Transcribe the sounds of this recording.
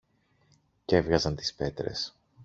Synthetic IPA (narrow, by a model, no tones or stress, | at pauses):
ce̞vɣɐzɐnt̪i̥spe̞t̪ɾe̞̰s